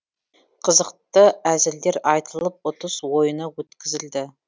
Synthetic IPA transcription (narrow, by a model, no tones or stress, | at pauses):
qʰəzəqt̪əæzɪld̪e̞ɾɑjt̪ʰəlˠəp̚ʊt̪əswo̞jənəwɵt̪kʲɪzɪld̪ɪ